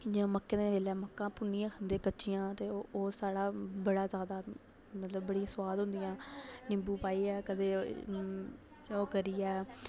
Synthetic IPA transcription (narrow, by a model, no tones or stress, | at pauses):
d͡ʒõːməkːẽːd̪eːʋeːlɛːməkːãːpʊnijãːkʰənd̪eːkətːʃɪjãːt̪eːoːsaːɽaːbəɽaːzjaːd̪aː | mət̪ləbːəɽiːãːsʊwaːd̪ɦʊ̃nd̪ɪjãːnɪ̃mbuːpaːiːɛːkəd̪eː | oːkəɾiːɛː